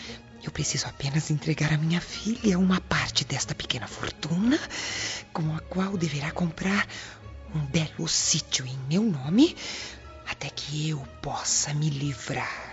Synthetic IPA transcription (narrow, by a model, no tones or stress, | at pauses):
ewpɾesizʊapẽnɐzẽnt̪ɾeɡaɾɐmĩɲɐfilɐũmɐpaɾt͡ʃɪd̪ɛst̪ɐpe̥kẽnɐfo̰ɾt̪ũnɐkõɐkwawd̪eveɾakõmpɾaɾ | ũbɛlʊsit͡ʃjʊẽj̃mewnõmɪ | at̪ɛkʰɪewpɔsɐmɪlivɾaɾ